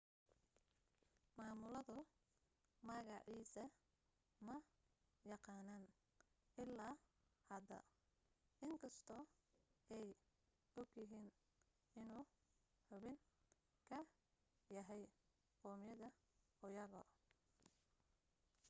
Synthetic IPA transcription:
maːmʊlɐðʊ | mɐɣɑʕiːsɐ | mɐ | jɑqɑːnaːn | ʔɪlːaː | hɐd̪ɐ̰ | ʔɪŋkʰɐst̪ʰɔːɛj | ʔɔɡjɐɦiːn | ɪnuː | ħʊβɪŋ | kʰɐ | jɐɦɛj | qɔːmjɐðɐ | ʊjɐɣɔ̰

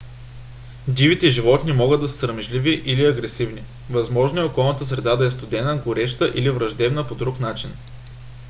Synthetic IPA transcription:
d̪ʲivit̪ɛʒivɔt̪nimɔɡɤd̪ːɐsə̥sɾɐmɛʒliviʔiliɐɡɾɛsivni | vɐzmɔʒnoɛokɔlˠnət̪əsɾɛd̪ad̪ɐɛst̪ʊd̪ɛnəɡʊɾɛʃt̪əʔilivɾɐʒd̪ɛbnəpod̪ɾuknat͡ʃin

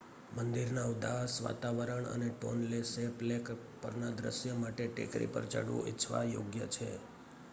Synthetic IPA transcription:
mənd̪iɾnaud̪asʋa̰t̪aʋəɾəɳə̰neʈonleseplek | pəɾnad̪ɾə̰ʃjəmaʈeʈɪ̰kɾḭpə̰ɾd͡ʒə̰ɽṵ̃ɪ̰t͡ʃʰʋa̰joɡjət͡ʃʰe

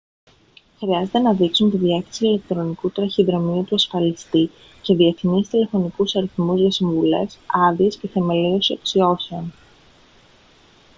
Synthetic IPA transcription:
xɾiɐze̞t̪e̞nɐðiksunt̪iðieθisiile̞k̚t̪ɾo̞nikut̪ɾɐçiðɾo̞miut̪uɐsfɐlist̪i | ce̞ðie̞θnist̪ile̞fo̞nikusɐɾiθmuzʝɐsiɱvule̞̰sɐðiesce̞θe̞me̞liosieksio̞çion

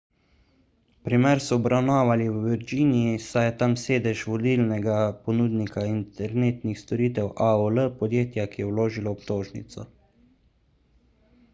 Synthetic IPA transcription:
pɾimɛɾsɔːbɾʔawnaːʋaliwʋiɾd͡ʒiːniisajɛt̪amseːd̪ɛʒʋɔd̪ilnɛɡapɔnuːd̪nikʰaint̪ɛɾneːt̪nixst̪ɔɾiːt̪ɛwʔaoləpɔd̪jeːt̪jakijɛwloːʒilɔːpt̪oːʒnḭt̪sɔ̰

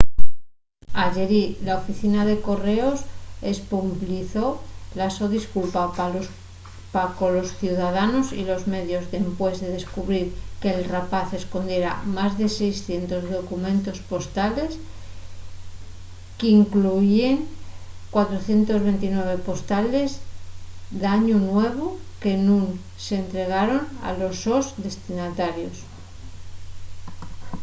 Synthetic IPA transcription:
aʝe̞ɾilaofiθinaðe̞ko̞re̞o̞se̞spompliθo̞laso̞ðiskulpa | pako̞lo̞sθjuðaðano̞sḭlo̞zme̞ðjo̞zðe̞mpwe̞zðe̞ð̞e̞skuβɾiɾke̞ːlrapaθe̞sko̞nd̪je̞ɾa̰mazðe̞sejsθje̞nt̪o̞zðo̞kumẽnt̪o̞spo̞st̪ale̞s | keiŋkluʝjeŋkwat̪ɾoθje̞nt̪o̞zβe̞nt̪inwe̞β̞e̞po̞st̪ale̞z | d̪aɲunwe̞β̞oke̞nũn | seːnt̪ɾe̞ɣ̞aɾo̞na̰lo̞so̞zðe̞st̪inat̪aɾjo̞s

